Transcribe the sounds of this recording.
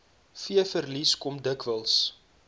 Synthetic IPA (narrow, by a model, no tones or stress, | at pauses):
fiəfərliskɔmdəkvəlˠs